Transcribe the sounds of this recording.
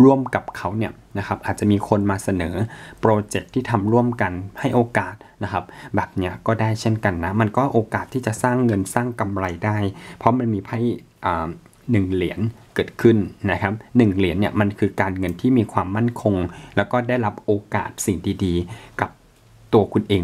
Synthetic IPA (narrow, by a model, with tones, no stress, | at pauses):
ɾu˥˩əmka˨˩p̚kʰa˦˥wni˥˩ɐ | na˦˥kʰa˦˥p̚ʔaː˨˩t͡ɕa˨˩ʔmiː˧kʰo˧nmaː˧sa˧nɤː˩˦pɾoː˧t͡ɕe˨˩k̚t̪ʰiː˥˩t̪ʰa˧mɾu˥˩əmka˧nha˥˩jʔoː˧kaː˨˩t̪̚na˦˥kʰa˦˥p̚bɛː˨˩p̚ni˦˥ɐkɔː˥˩daː˥˩jt͡ɕʰe˥˩nka˧nːa˦˥ma˧nkɔː˥˩ʔoː˧kaː˨˩t̪ʰːiː˥˩t͡ɕa˨˩ʔsaː˥˩ŋːɤ˧nsaː˥˩ŋka˧mɾaː˧jdaː˥˩jpʰɔ˦˥ma˧nmiː˧pʰa˥˩j | ʔəː˨˩ | nɯ˨˩ŋli˩˦ənkɤː˨˩t̪̚kʰɯ˥˩nːna˦˥kʰa˦˥p̚nɯ˨˩ŋli˨˩˦nːi˥˩ɐma˧nkʰɯː˧kaː˧nŋɤ˧nt̪ʰiː˥˩miː˧kʰwaː˧mːa˥˩nkʰo˧ŋlɛː˦˥wkɔː˥˩da˥˩jɾa˦˥p̚ʔoː˧ka̰ː˨˩t̪̚si˨˩ŋdiː˧diː˧ka˨˩p̚ | t̪u˧ɐkʰu˧nʔeː˧ŋ